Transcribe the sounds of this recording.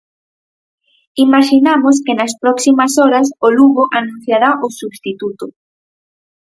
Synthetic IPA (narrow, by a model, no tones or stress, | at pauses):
imaʃinamoskɪnɐspɾɔksimɐsɔɾɐsoluɣoʔanũn̟θjaɾaʔosuβst̪it̪ut̪ʊ